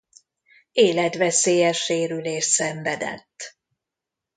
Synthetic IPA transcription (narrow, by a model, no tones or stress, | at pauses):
eːlɛt̪ʋɛseːjɛʃːeːɾyleːʃsɛɱvɛd̪ɛ̰t̪ː